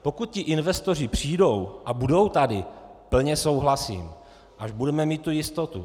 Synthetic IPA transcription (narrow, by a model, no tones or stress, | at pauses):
po̞kut̪̚cɪʔɪnvɛst̪o̞rɪpr̝̥iːdo̞wʔabudo̞wt̪adɪpl̩ɲɛso̞wɦlasḭːm | ʔaʒbudɛmɛmiːt̪̚ːujɪst̪o̞t̪ṵ